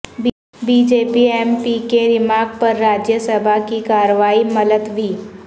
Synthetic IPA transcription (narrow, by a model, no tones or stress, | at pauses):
biːd͡ʒeːpiɛːmpikeɾɪmaːɡ̚pɐɾːaːd͡ʒjəsəbʱakikaːɾəʋaːimɐd̪əd̪ʋiː